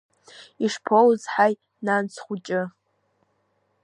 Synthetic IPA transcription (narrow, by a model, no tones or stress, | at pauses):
iʂpʰowzħaj | nant͡sʰχʷut͡ʃʼɪ